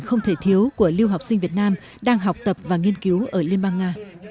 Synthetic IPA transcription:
xə˧wŋ͡mt̪ʰe˧˩t̪ʰi˨˦əwku˧˩əli˧wɦa˨˩wk͡p̚si˧ŋ̟vi˨˩ət̚naː˧m | ɗaː˧ŋɦa˨˩wk͡p̚t̪ə˨˩p̚vaː˨˩ŋi˧ənki˨˦wʔəː˧˩li˧ənɓaː˧nŋaː˧

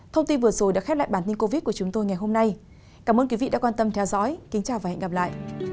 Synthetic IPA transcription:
t̪ʰə˧wŋ͡mt̪i˧nvɨ˨˩ət̚zo˨˩jɗaː˨˧˥kxɛ˦˥t̚la̰ː˧˨jɓaː˧˩nt̪i˧nko˧vi˦˥t̚ku˧˩ət͡ɕʊ˨˦ŋ͡mt̪o˧jŋa˨˩jɦo˧mna˧j | kaː˧˩mʔəː˧kwi˨˦ḭ˧˨ɗa̰ː˧˥kwaː˧nt̪ə˧mt̪ʰɛ˧wzɔ̰˧˥jkï˨˦ŋ̟t͡ɕaː˨˩waː˨˩hɛ̰˧˨ŋɣa˨˩p̚la̰ː˧˨jʔ

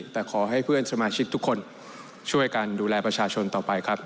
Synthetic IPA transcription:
t̪ɛː˨˩kʰɔː˩˦ɦa˥˩jpʰɯ˥˩ənsa˧maː˧t͡ɕʰi˦˥k̚t̪ʰu˦˥kʰːo˧n | t͡ɕʰu˥˩əjkaː˧nduː˧lɛː˧pɾa˧t͡ɕʰaː˧t͡ɕʰo˧nt̪ɔː˨˩pa˧jkʰa˦˥p̚

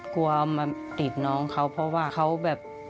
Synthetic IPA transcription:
ku˧ɐ˧maː˧t̪i˨˩t̪̚nɔː˦˧˥ŋkʰa˦˥wpʰɔ˧˥waː˧˥˩kʰa˦˥wbɛː˨˩p̚

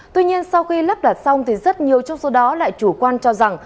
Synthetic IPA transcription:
t̪wi˧ɲi˧ənsa˧wxi˧la˦˥p̚ɗa˨˩t̚sa˧wŋ͡mt̪ʰi˨˩zə˦˥t̚ɲi˨˩əwt͡ɕɔ˧wŋ͡mso˨˦ɗɔ˨˦la̰ː˧˨jt͡ɕu˧˩kwaː˧nt͡ɕɔ˧za˨˩ŋ

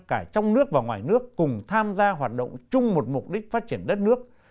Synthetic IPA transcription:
kaː˧˩t͡ɕɔ˧wŋ͡mnɨ˦˥ək̚vaː˨˩ŋwaː˨˩jnɨ˦˥əkːʊ˨˩ŋ͡mt̪ʰaː˧mzaː˧ɦwaː˨˩t̚ɗo̰˧˨wŋ͡mt͡ɕʊ˧ŋ͡mmo˨˩t̚mʊ˨˩k͡p̚ɗï˦˥k̟̚faː˦˥t̚t͡ɕi˧˩ənɗə˦˥t̚nɨ˦˥ək̚

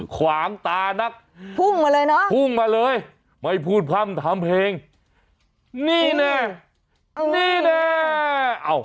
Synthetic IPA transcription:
kʰwaː˨˩˦ŋt̪aː˧na˦˥˩k̚ | pʰu˥˩ŋmaː˧lɤː˧jnɔ˦˥pʰu˧˥˩ŋmaː˧lɤː˧j | ma˧˥˩jpʰuː˧˩t̪̚kʰa˧˩˨mt̪ʰaː˨˦mpʰeː˧ŋ | niː˧˥˩nɛ˧˩˧ | niː˧˩˥nɛː˧˩ | ʔa˧˩w

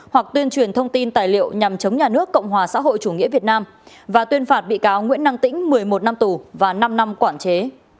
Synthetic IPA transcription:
hwa˨˩k̚t̪wi˧ənt͡ɕwi˨˩ənt̪ʰə˧wŋ͡mt̪i˧nt̪aː˨˩jlḭ˧˨əwɲa˨˩mt͡ɕə˨˦wŋ͡mɲaː˨˩nɨ˦˥əkːə̰˧˨wŋ͡mɦwaː˨˩sa̰ː˧˥ɦo̰˧˨jt͡ɕu˧˩ŋḭ˧˥əvi˨˩ət̚naː˧m | vaː˨˩t̪wənfaː˨˩t̚ɓḭ˧˨kaː˨˦wŋwḭ˧˥nːa˧ŋt̪ḭ̈˧˥ŋ̟mɨ˨˩əjmo˨˩t̚na˧mt̪u˨˩vaː˨˩na˧mna˧mkwaː˧˩nt͡ɕe˨˦

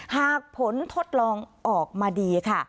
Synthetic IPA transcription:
haː˨˩k̚pʰo˨˦nt̪ʰo˦˥˩t̪̚lɔː˧ŋʔɔː˨˩k̚maː˧diː˧kʰa˥˩

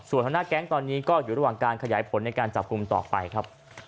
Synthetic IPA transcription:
su˨˩nt̪ʰa˧na˥˩kɛː˦˥ŋt̪ɔː˧nːiː˦˥kɔː˥˩juː˨˩ɾa˧waː˨˩ŋkaː˧nkʰa˧jaː˩˦jpʰo˩˦nːa˧jkaː˧nt͡ɕa˨˩p̚ku˧mt̪ɔ̰ː˨˩fa˧jkʰɾa˦˥p̚

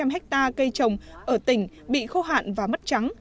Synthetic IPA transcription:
a˧mɦɛ˦˥k̚t̪aː˧kə˧jt͡ɕə˨˩wŋ͡mʔəː˧˩t̪ï˧˩ŋ̟ | ɓḭ˧˨xo˧ɦa̰ː˧˨nvaː˨˩mə˦˥t̚t͡ɕa˨˦ŋ

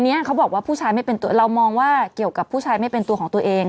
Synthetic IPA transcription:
ni˦˥ɐkʰa˦˥wbɔː˨˩k̚waː˥˩pʰuː˥˩t͡ɕʰaː˧jma˥˩jpe˧nt̪u˧ɐɾa˧wmɔː˧ŋwaː˥˩ki˨˩əwka˨˩pʰːuː˥˩t͡ɕʰaː˧jma˥˩jpe˧nt̪u˧kʰɔː˩˦ŋt̪u˧ɐʔeː˧ŋ

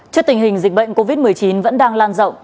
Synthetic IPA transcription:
t͡ɕɨ˦˥t̪ï˨˩ŋ̟ɦï˨˩ŋ̟zi˨˩k̟̚ɓə̰˧˨jŋ̟ko˧vi˦˥t̚mɨ˨˩əjt͡ɕi˨˦nvə̰˧˥nɗaː˧ŋlaː˧nzə̰˧˨w

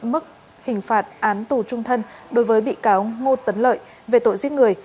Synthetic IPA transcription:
mɨ˦˥k̚ | hï˨˩ŋ̟faː˨˩t̚ʔaː˨˦nt̪u˨˩t͡ɕʊ˧ŋ͡mt̪ʰə˧nɗo˨˦jvəː˨˦jɓḭ˧˨kaː˨˦wŋo˧t̪ə˨˦nlə̰ː˧˨j | ve˨˩t̪o̰˧˨jzi˦˥k̚ŋɨ˨˩əj

